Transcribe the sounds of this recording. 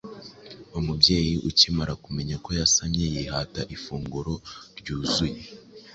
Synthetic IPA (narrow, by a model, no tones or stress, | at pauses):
umubɟe̞ːjiʔucimaɾakume̞ɲako̞jasaɲɲejihataʔifuːŋɡuɾo̞ɾɟuːzuje